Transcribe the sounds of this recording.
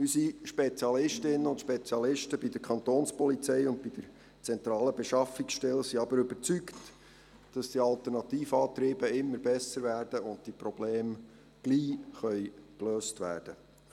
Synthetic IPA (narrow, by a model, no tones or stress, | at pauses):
ysiʃpet͡siɑlɪʃtɪnːəʊntʃpet͡sjɑlɪʃtəbidəɾkʰχɑnt̪oːnspɔlit͡sɛjʊntpid̥əɾ | t͡sɛnt̪ɾɑːləbɛʃɑfiksʃtɛlsiɑbəɾɵbəɾt͡sykt | d̥ɑsd̥iɑlt̪əɾnɑt̪iːfɑːt̪ɾiːbəɪmːəɾbɛsəɾʋæːrd̥əʊnd̚tipɾɔb̥leːm | ɡ̥liːχœʏkløːstʋæ̰ːrd̥ə